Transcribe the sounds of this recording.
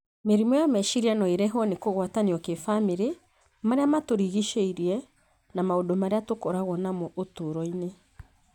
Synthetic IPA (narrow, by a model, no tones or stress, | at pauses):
meɾimɔjamɛʃiɾianɔeɾɛɦwɔnekoɣwataniɔkefameɾe | maɾeamatoɾiɣiʃeiɾiɛ | namaodomaɾeatokoɾaɣwɔnamoʔotoɾɔine